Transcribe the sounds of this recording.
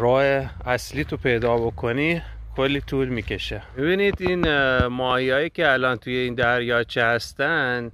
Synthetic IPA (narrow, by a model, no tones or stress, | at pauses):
ɾɒːheæsliːt̪ʰopʰe̞jd̪ɒːbo̞kʰo̞nikʰolːiːt̪ʰuːlmiːcʰʲe̞ʃemibinid̪inmɒːhiɒːjiːcʲʰeælɒːnt̪ʰujeiːnd̪æɾjɒːt͡ʃʰehæst̪ænd̪